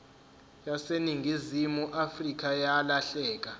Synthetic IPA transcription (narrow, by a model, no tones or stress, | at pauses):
jaseniŋʱizimuʔafrik̬ʼajalaɬɛːk̬ʼa